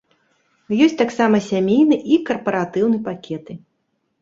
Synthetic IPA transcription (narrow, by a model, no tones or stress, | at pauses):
jɔsʲt̪aksamɐsʲamʲejnɨʔikɐrpɐɾat̪ɨwnɨpakʲɛt̪ɨ